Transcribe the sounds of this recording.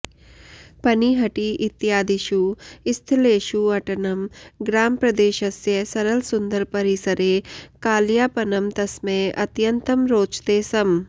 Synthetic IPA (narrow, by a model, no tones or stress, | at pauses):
pɐniːɦɐʈiʔɪt̪ɪjaːd̪iʃuɪst̪ʰleːʃuɐʈɐnɐmɡɾaːmpɾɐd̪eːʃɐsjɐsɐɾəlsʊnd̪əɾpɐɾisəɾeːkaːljaːpɐnɐmt̪ɐsmẽʔɐt̪jɐnt̪əmɾoːt͡ʃt̪eːsɐm